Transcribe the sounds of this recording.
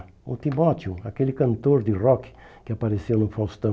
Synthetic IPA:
ʊ̰t̪imɔt̪ʊakelɪkɐ̃nt̪oɾd̪ɪrɔk | kɪapaɾesewnʊfawst̪ɐ̃

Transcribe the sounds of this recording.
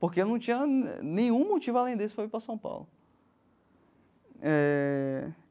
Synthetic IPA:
pohkeenɐ̃w̃t͡ʃĩɲɐnẽj̃ũmot͡ʃivʊalẽj̃d̪isʊpɾavipɾɐsɐ̃w̃pa̰wlʊ | ɛ

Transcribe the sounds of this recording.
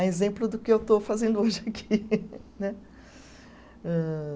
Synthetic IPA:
ezẽmplʊd̪ʊkɪewt̪ofazẽnd̪ʊoʒɪakʰinɛ | ɛ

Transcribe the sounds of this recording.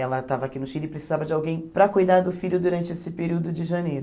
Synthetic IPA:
ɛlɐt̪avɐakinʊʃiɾɪpɾesizavɐd͡ʒɪawɡẽj̃pɾɐkujd̪aɾd̪ʊfiʎʊd̪uɾɐ̃nt͡ʃɪesɪpeɾiwd̪ʊd͡ʒɪʒɐnejɾʊ

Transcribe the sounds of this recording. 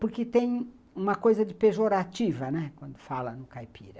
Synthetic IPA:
pʊɾkɪt̪ẽj̃ | ũmɐkojzɐd͡ʒɪpeʒoɾat͡ʃivɐnɛkwɐ̃nd̪ʊfalɐnʊkajpḭɾɐ

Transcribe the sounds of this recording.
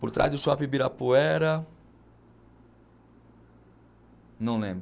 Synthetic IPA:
poɾt̪ɾʔa̰zd̪ʊsɔapibiɾɐpuɛɾɐ | nɐ̃w̃lẽmbɾ

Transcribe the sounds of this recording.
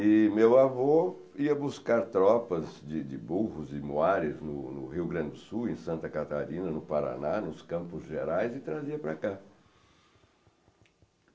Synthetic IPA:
ɪmewavo | iɐbuskaɾt̪ɾɔpɐzd͡ʒɪd͡ʒɪbohʊzɪmuaɾɪznʊnʊ̰hiwɡɾɐ̃dd͡ʒɪd̪ʊsuwẽj̃sɐ̃nt̪ɐkat̪aɾĩnɐnʊpaɾa̰nanʊskɐ̃mpʊzʒeɾajzɪt̪ɾaziɐpɾaka

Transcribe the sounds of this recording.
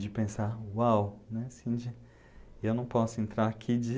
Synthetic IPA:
d͡ʒɪpẽsawawnɛsĩd͡ʒɪ | ewnɐ̃w̃pɔsʊẽnt̪ɾaɾakʰid͡ʒɪ

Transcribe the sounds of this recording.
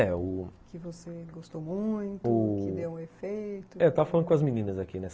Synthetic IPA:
ɛʊkɪvoseɡost̪omũj̃t̪ʊʊɪd̪ewũefejjt̪ʊɛet̪avɐfalɐ̃d̪ʊkõɐzminĩnɐzakinɛs

